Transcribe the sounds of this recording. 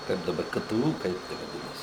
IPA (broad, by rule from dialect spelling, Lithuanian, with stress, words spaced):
ˈkɐɪp dɐˈbɐr ˈkə ˈtə ˈuː ˈkɐɪp tʲɛ ʋɐˈdʲɪnɐsʲɪ